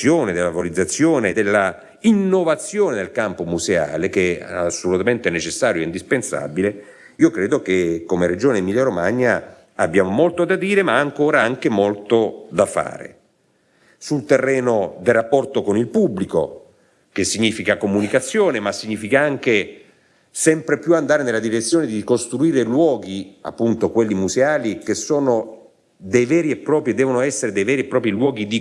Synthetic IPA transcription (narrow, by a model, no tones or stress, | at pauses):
joːned̪elːavolid̪zːat̪sːjoːned̪elːa | inːovat̪sːjoːned̪elkampomuzea̰ːlekeasːolut̪ament̪ɛnet͡ʃesːaːɾjoɛind̪ispensa̰bile | iːokɾeːd̪okekːomeɾed͡ʒoːneimiljaɾomaɲːa | abːjaːmomolt̪od̪ad̪iːɾemaːŋkoːɾaaŋkemolt̪od̪afa̰ːɾḛ | sult̪erːɛːnod̪elrapːɔrt̪okonilpubliko̰ | kesːiɲːiːfikakomunikat̪sːjoːnemasːiɲːiːfikaaŋk̟e | sɛmpɾepjuand̪aːɾenelad̪iɾet̪sːjoːned̪ikost̪ɾuiːɾelwɔːɡia̰pːunt̪okwelːimuzeaːlikesːoːno | d̪ejvɛːɾiɛpːɾɔːpɾjid̪ɛːvonoɛsːeɾed̪ejvɛːɾiepːɾɔːpɾilwɔːɡid̪i